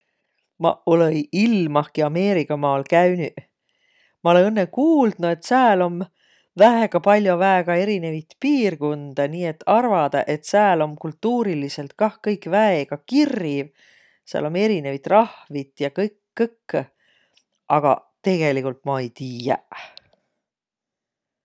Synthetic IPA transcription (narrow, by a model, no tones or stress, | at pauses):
mɑ̰olejilmɑhkiɑme̞ːɾikːˑɑmɑːlkæyny | mɑo̞leɤnːekuːld̪̥nue̞t̪sæːlo̞m | væɦeɡ̥ɑpɑlʲjovæeɡ̥ɑe̞ɾine̞vit̪piːrɡund̪̥ɑniːe̞t̪ːˑɑrvɑd̪̥ɑʔe̞t̪sæːlo̞mkult̪ːuːɾilise̞lt̪̚kɑhkɤjkvæeɡ̥ɑkirːiv | sæ̰ːlo̞me̞ɾine̞vit̪ˑrɑhvit̪ˑjɑkɤjkːɤkː | ʔɑɡ̥ɑ̰t̪e̞ɡ̥e̞likult̪ˑmɑejt̪iːjæ̰